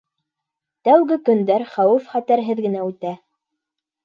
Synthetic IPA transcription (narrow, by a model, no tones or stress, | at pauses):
t̪æwɡɘkɵ̆nd̪æɾχæwɘfχæt̪æɾɦɘðɡɘ̆næʉt̪æ